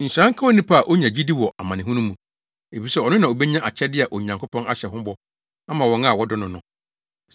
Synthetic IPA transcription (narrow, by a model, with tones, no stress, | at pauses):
n̩˨ɕɾã˦ŋ̩˦kʰa˦o˦nĩ˦pʰa˦a˨ʔo˦ɲã˨d͡ʑi˦di˦wɔ˨ʔa̰˨mã˨nɪ̃˨ʊ̃˦nũ˦mũ˨ | e˨fi˨sɛ˦ɔ˨nɪ̃˦nã˨o˨bɛ˦ɲã˦ʔa˨t͡ɕʰɛ˦dɪ˦a˨ʔɔ˨ɲã˨ŋkʰʊ˦pʰɔ̃˦na˦ɕɛ˨ɦʊ̃˦bɔ˦ | a˦mã˨wɔ̃˨ŋa˦˨wɔ˦dʊ˦nʊ̃˨nʊ̃˨